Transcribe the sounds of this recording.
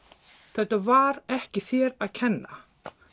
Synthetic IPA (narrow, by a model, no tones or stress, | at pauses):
θɛht̪avaɾɛhcɪθjɛɾaðcʰɛnːa̰